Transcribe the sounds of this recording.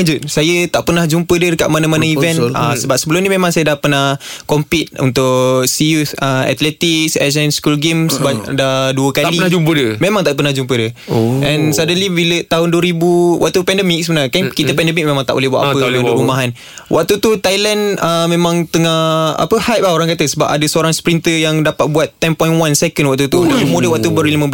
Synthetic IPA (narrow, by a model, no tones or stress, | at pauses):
d͡ʒʊt̪̚sajət̪aʔpənahd͡ʒumpədədəkaʔ̚manamanaivɛnə̰səbap̚səbəlumnimemãŋsajədahpərnahkɔmpit̪̚ṵnt̪ʊʔʔsiusəɛ̰t̪lɛt̪iksɛz̬ənskulɡemsbadaduəkalid͡ʒupədmemaŋt̪aʔpərnahd͡ʒumpədəɛnsadəlibilət̪aɦʊnduəɾibuwa̰ʔ̚t̪upɛndəmik̚səbənaɲkankit̪əpɛndəmik̚memãŋt̪aʔo̰lɛhbua̰ʔ̪apəlud̪oumaɦan | wʔa̰k̚t̪ut̪ut̪ajlanəmemãŋt̪əŋaa̰pəhap̚aoɾaŋkat̪əsəba̰pa̰dəsəoɾaŋspɾint̪əjaŋdapat̪̚buat̪ːɛmpɔj̃nwansɛkənwak̚t̪ut̪uamodəwaʔ̚t̪ubəɾilimə̃